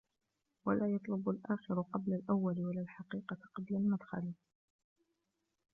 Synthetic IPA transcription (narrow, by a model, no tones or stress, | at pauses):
walaːjɑt̪ˤlʊbalʔaːxɪɾʊqɑblalʔawːalɪwalaːlħɑqiːqɑqɑblalmad̪xa̰li